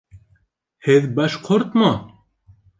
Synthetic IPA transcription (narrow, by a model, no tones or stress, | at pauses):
heðbɐʃqʰoɾt̪mɑ